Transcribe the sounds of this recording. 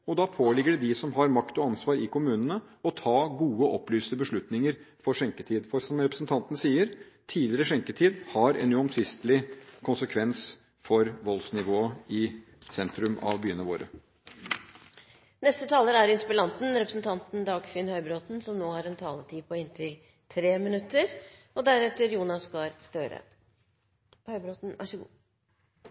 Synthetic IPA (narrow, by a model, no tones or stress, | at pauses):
ɔd̪ɑpʰoːlɪɡəɖɛd̪ɪsɔmɦɑɾmɑkt̪ɔɑnsʋɑːɾɪkʰʊmʉːnənəɔt̪ʰɑːɡuːəʔɔplyːst̪əbəʂɭʉt̪nɪŋəɾfɔʂɛŋkət̪ʰiːd̪fɔɾsɔmɾɛpɾəsn̩t̪ʰɑnt̪nsiːəɾ | t̪ʰiːd̪lɪəɾəʂɛŋkət̪ʰiːd̪hɑɾɛ̰nʉɔmt̪ʰʋɪst̪lɪkʰʊnsəkʰʋɛns | fɔɾʋɔlsnɪʋoːəɪ | sɛnt̪ɾʉmɑ̰ʋbyːənəʋo̰ːɾə | nɛst̪ət̪ʰɑːləɾæɾɪnspɪlɑnt̪n̩ɾɛpɾəsn̩t̪ʰɑnt̪n̩d̪ɑːɡfʏːnhœʏbɾoːt̪n̩sɔmnoːhɑɾɛnt̪ʰɑːlət̪ʰiːpʰɔɪnt̪ʰɪl | t̪ʰɾeːmɪnʉt̪ːəɾ | ɔd̪æɾɛt̪əɾjuːnɑsɡɑɾst̪øːɾə̰ | hœʏbɾot̪n̩ʋʔæ̰ʂəɡṵː